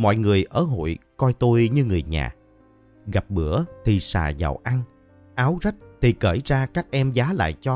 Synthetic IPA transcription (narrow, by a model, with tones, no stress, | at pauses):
mɔ̰˧˨jŋɨ˨˩əjʔəː˧˩ɦo̰˧˨jkɔ˧jt̪o˧jɲɨ˧ŋɨ˨˩əjɲa̰ː˨˩ | ɣa˨˩p̚ɓɨ˧˩˦ət̪ʰi˨˩sa̰ː˨˩za̰˨˩wʔa˧ŋ | ʔaː˨˦wza˦˥k̚t̪ʰi˨˩kəː˧˩jzaː˧kaː˦˥k̚ʔɛ˧mzaː˨˦la̰ː˧˨jt͡ɕɔ˧